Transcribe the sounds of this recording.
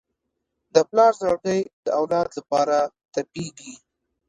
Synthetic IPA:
d̪əplɑɾzaɽkəjd̪əawlɑd̪lapɑɾa | t̪apiɡi

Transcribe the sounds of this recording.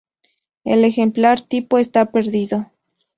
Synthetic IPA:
ḛle̞xe̞mplaɾt̪ipoest̪ape̞ɾðiðo

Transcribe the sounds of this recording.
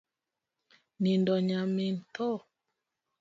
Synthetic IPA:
nindɔɲamen̩tɔ

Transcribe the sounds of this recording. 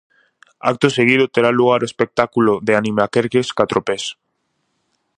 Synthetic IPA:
a̰k̚t̪oseɣ̞ið̞ʊt̪eɾaluɣaɾoespek̚t̪akuloðeanĩmeakeɾkeskat̪ɾopes

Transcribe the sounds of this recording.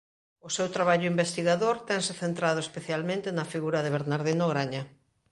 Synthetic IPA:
ʊsewt̪ɾaβaʎʊimbest̪iɣaðoɾt̪ɛŋsɪθent̪ɾaðʊespeθjalmẽnt̪ɪnɐfiɣuɾɐðeβeɾnaɾðinoɣɾaɲɐ

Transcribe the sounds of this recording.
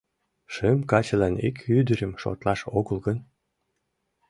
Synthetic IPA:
ʃəmkɑt͡ɕəlɑnḭkʰyd̪əɾə̆mʃo̰t̪lɑʃoɣəlɣən

